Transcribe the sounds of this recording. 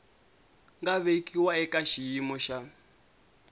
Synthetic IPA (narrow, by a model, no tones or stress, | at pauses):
ŋɡaβekʼiwaɛkʼaʃijimɔʃa